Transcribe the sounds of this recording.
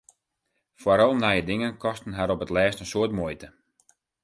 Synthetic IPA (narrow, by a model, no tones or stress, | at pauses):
faɾɔlˠnajədɪŋənkɔstn̩ɦaɾɔpətlɛːstənsoətmojtə